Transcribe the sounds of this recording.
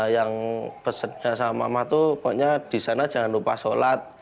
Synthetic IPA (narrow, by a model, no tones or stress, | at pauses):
jaŋb̥əsərɲasama̰maht̪upuɲad̪̥i̤sanḁd͡ʒ̥a̤ŋanlupasolat̪̚